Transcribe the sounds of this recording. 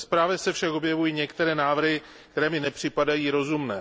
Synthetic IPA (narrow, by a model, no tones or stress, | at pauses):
spɾaːvjɛsɛfʃako̞bjɛvujiːɲɛkt̪ɛɾɛːnaːvr̩ɦɪ | kt̪ɛɾɛːmɪnɛpr̥ɪpadajiːɾo̞zumnɛː